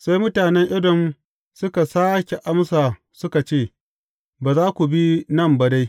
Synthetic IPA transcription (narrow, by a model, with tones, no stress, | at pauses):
sa˦jmʊ˦taː˨nɛ˦ŋʔɪ˦dɔ˨m | sʊ˦ka˨saː˦kʲe˨ʔa˦msaː˨ | sʊ˦ka˨t͡ʃeː˦˨ | baː˨zaː˦kʷu˨bi˦nɐ˦˨mba˨da˦j